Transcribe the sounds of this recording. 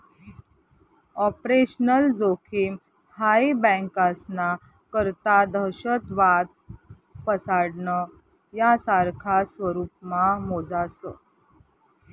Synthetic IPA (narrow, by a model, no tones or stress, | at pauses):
ɔpɾeɕnəld͡zokʰiːm | haibə̃ŋkasna | kəɾt̪ad̪ʱəɕət̪ʋad̪ | pəsaɽnə | jasaɾkʰasʋəɾuːp̚mamod͡zasə̰